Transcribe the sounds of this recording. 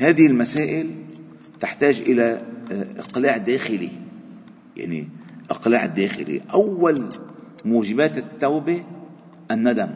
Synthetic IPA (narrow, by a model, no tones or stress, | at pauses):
haːðɪhɪlmasaːʔɪl | t̪aħt̪aːʒʔɪlaʔɪ̰qlaːʕd̪aːxɪlḭ | ja̰ʕnḭʔɪqlaːʕɪd̪ːaːxɪ̰lḭʔawːal | muːʒɪbaːt̪ɪt̪ːawbe | ʔanːad̪am